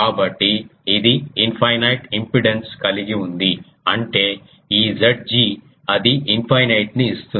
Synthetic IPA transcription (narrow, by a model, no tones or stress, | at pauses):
kaːbɐʈːiːd̪iinpʰɐjnɐjʈimpɾiɽenskɐliɡiund̪i | ɐɳʈe̞ː | iːd͡ʒeɖ̚d͡ʒiː | ɐd̪iimpʰɐjnɐjʈniːst̪u